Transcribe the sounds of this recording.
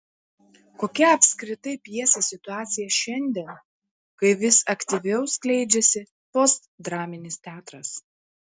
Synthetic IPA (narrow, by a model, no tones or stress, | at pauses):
koːkʲɛɐpʲsʲkɾʲɪt̪ɐɪpʲjiɛsʲesʲɪt̪ʊɑːt̪sʲɪjɛʃʲɛnʲˑd̪ʲiɛn | kɐɪʋʲɪsɐkt̪ʲɪʋʲɛʊsklʲɛɪd͡ʒʲɛsʲɪ | pɔst̪d̪ɾɑːmʲɪnʲɪst̪ʲæːt̪ɾɐs